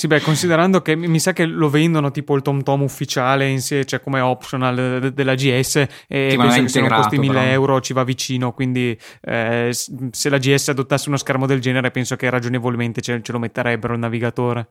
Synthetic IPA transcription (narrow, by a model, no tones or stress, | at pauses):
sibɛkːonsid̪eɾand̪okemːisakːelovɛnd̪onot̪iːpoilt̪ɔmt̪ɔmufːit͡ʃaːleinsjet͡ʃoɛkomeɔpʃonald̪elːad͡ʒiɛsːe | eensokesoːnoest̪imilːeɛwɾot͡ʃivavːit͡ʃiːnokwind̪i | sselad͡ʒiɛsːead̪ot̪ːasːeunoskɛrmod̪eld͡ʒɛːneɾepɛnsokerad͡ʒonevolment̪et͡ʃet͡ʃelomet̪ːeɾɛbːeɾonːaviɡat̪oːɾe